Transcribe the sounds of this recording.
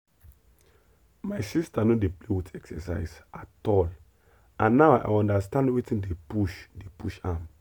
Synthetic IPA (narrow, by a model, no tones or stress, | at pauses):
majsistanodeplewitɛksɛ̰sa̰ɪsatɔl | ãnːaʊʔa̰jɔ̃ndastãndwetĩndepuʃdepuʃam